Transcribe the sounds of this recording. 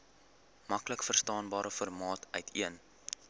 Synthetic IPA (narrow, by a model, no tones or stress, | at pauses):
mɐkləkfərstɑːnbɑːɾəfɔrmɑːtœɥtʰiən